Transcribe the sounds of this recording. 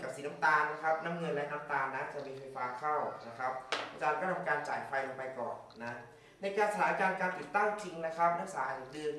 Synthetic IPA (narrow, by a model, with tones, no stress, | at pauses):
ka˨˩p̚siː˩˦na˦˥mt̪aː˧nna˦˥kʰa˦˥p̚na˦˥mŋɤ˧nlɛ˦˥ʔna˦˥mt̪aː˧nːa˦˥t͡ɕa˨˩miː˧fa˧jfaː˦˥kʰa˥˩wna˦˥kʰa˦˥p̚a˧t͡ɕaː˧nkɔː˥˩t̪ʰa˧mkaː˧nt͡ɕa̰ː˨˩jfa˧jʔo˨˧˩pa˧jkɔ̰ː˨˩nːa˦˥ | na˧jkaː˧nsa˧tʰaː˩˦kaː˧nkaː˧nt̪i˨˩t̪ːa˥˩ŋt͡ɕʰi˧ŋna˦˥kʰa˦˥p̚naː˦˥ŋsaː˨˦˨a˨˩dɯ˧n